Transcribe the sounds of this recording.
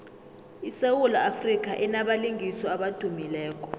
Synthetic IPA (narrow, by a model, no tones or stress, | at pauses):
isewulɔafrik̬aʔɛnaɓaliŋʱisɔaɓad̥ʱumilɛːkʼɔ̥